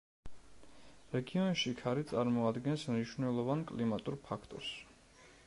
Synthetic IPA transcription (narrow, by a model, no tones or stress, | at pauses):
ɾɛɡiɔnʃikʰaɾit̪sʼaɾmɔad̪ɡɛnsmniʃvnɛlˠɔvankʼlimat̪ʼuɾpʰakʰt̪ʼɔ̰ɾs